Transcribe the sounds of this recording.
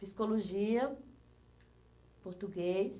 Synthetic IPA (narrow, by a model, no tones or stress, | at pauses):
piskoloʒiɐ | poɾt̪uɡejs